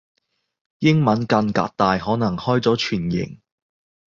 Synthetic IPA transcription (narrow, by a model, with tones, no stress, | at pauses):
jɪ˥ŋmɐ˨˥nkɐ˧ŋka̰ː˧t̚t̪aː˨˧jhɔː˨˥nɐ˨˩ŋhɔː˥jt͡sɔː˨˥t͡ʃʰyː˨˩njɪ̰˨˩ŋ